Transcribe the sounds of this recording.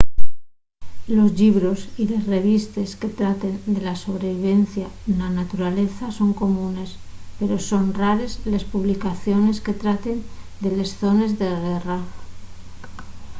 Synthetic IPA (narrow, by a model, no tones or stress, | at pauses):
lo̞zʎiβɾo̞sile̞sre̞β̞ist̪e̞ske̞t̪ɾat̪e̞nd̪e̞laso̞βɾe̞βiβ̞e̞n̟θjananat̪uɾale̞θaso̞ŋko̞mune̞spe̞ɾo̞so̞nraɾe̞zlespuβlikaθjo̞ne̞ske̞t̪ɾat̪e̞nd̪e̞le̞sθo̞ne̞zðe̞ɣe̞ra